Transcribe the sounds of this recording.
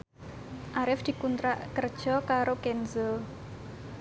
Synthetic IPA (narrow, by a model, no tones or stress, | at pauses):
ʔaɾɪfd̪̥i̤kunt̪ɾaʔkərd̥ʒ̥ɔkaɾokɛnzəl